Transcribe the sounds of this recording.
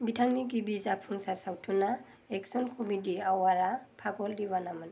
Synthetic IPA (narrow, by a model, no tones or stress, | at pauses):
bitʰaŋniɡibizapʰunsaɹsawtʰuna | ɛksɔnkʰɔmidiawaɹapʰaɡɔldibanamɯn